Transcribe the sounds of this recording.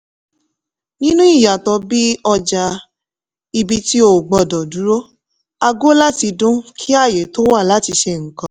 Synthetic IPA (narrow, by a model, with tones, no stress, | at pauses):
nĩ˦nũ˦i˦˨ja˨tɔ˧bi˦ɔ˧d͡ʒa˧ | i˧bi˦ti˦o˦˨ɡ͡bɔ˧˨dɔ˨du˨˦ɾo˦ | a˧ɡo˦la˦ti˧dũ˦kʰi˦a˦˨je˨to˦wa˦˨la˨˦ti˧ʃe˧ŋ̩˨kã˧˦